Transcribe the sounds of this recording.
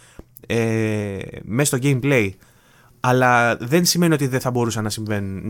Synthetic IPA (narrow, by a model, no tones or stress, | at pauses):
e | meɐst̪o̞ɟe̞imple̞i | ɐlɐðe̞nsime̞nio̞t̪iðeθɐbo̞ɾusɐnːɐsiɱve̞nun